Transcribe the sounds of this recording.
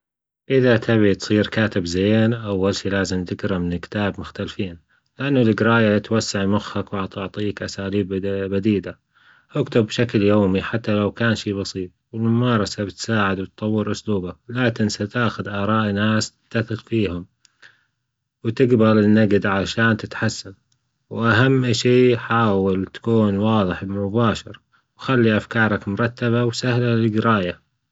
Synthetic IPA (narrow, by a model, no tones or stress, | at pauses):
ʔɪðat̪ʰaβit̪sˤiːɾkaːt̪ɪbzeːnʔawːalʃiːlaːzɪmt̪ɪɡɾɑmɪnkɪ̥t̪aːbmʊxt̪alfiːn | lɪʔanːʊlɪɡɾˤɑːjat̪wasːaʕmʊxːakwɑʕt̪ʊʕt̪ˤiːkʔasaːliːbːad̪iːd̪a | ʔʊkt̪ʊbːʃakljoːmiħat̪ːalawkaːnʃiːbɑsˤiːt̪̚ˤwɪlmʊmɑːɾˤɑsabɪt̪saːʕɪd̪wɪt̪t̪ˤɑwːɪɾʔʊsluːbalaːkɪnsat̪aːxʊd̪ʔɑːɾˤɑːʔnaːst̪ɪ̥t̪ːaθɪɣfiːhʊm | wt̪ɪɡbalɪnːaɡd̪ʕaʃaːnt̪ɪt̪ħasːan | wʔaɦamːʃiːħaːwalt̪ḁkuːnwɑːðˤɨħmʊbaːʃɑɾ | wxalːiʔafkɑːɾˤɑkmʊɾˤɑt̪ːaβawsahlalɪɡɪɾɑːja